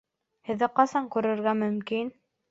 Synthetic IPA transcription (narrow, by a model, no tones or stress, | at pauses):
hɘ̆ðːɘqɑsɑŋkʉɾɘ̆ɾɡæmɵ̆mkin